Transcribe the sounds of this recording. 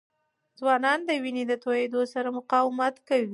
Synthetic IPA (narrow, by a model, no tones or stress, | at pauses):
zwɑnɑnd̪əwined̪ət̪ojed̪osaɾamʊqɑwɪmat̪kawi